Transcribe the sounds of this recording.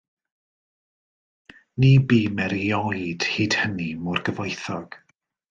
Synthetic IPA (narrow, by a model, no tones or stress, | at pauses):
nibiːmɛɾiɔjd̥hiːd̥hənimʊrɡəvɔjθɔɡ̥